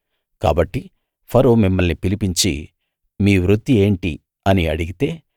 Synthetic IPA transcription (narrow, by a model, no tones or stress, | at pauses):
ka̰ːbɐʈːi | pʰɐɾoːmimːɐlnipilipiɲt͡ʃḭ | miːʋɾud̪ːie̞ːɳʈi | ɐniɐɽiɡit̪e̞ː